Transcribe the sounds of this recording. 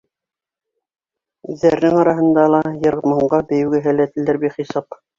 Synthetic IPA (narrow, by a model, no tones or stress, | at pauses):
ʉðːæɾɘnɘŋɑɾɑɦɤ̆nd̪ɑlˠɑjɤ̆ɾmɤ̆ɴɢɑbɘ̆jɘ̆wɡɘɦælæt̪ɘ̆ld̪ɘɾbiχisɑp